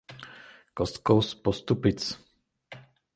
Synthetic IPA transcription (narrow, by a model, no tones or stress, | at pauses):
kɔskɔwspɔst̪upit͡s